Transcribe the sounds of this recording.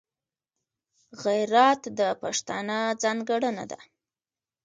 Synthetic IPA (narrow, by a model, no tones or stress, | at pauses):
ɣajɾat̪d̪əpaʂt̪ɑnəd͡zɑŋɡaɽəna̰d̪a̰